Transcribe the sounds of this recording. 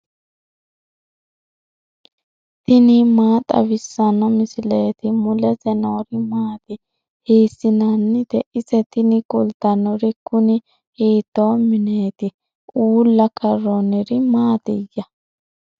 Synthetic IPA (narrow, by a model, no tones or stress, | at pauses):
t̪ɪnɪmaːt̪ʼɐ̰βɪsːɐnɔmɪsɪlɛt̪ɪmʊlɛzɛnoːɾɪmaːt̪ɪ | hiːsːɪnanːɪd̪ɛʔɪsɛt̪ɪnɪkʼɔlt̪ɐnɔɾɪkːʊnɪ | heːt̪ːoːmɪneːt̪ɪ | uːlːɐkʰɐrːonɪɾɪmaːt̪ɪjːɐ